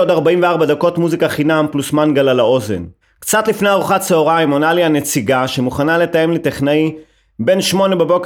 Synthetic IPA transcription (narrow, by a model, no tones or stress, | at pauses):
od̪aʁbaimveaʁbad̪ako̞tmuzikaχinamplusmanɡalalao̞zḛn | kt͡sat̪lifnejaʁuχatt͡seoʁaimonaljanet͡siɡaʃemuχanale̞t̪aje̞mlet̪eχnai | be̞nʃmo̞ne̞bebo̞k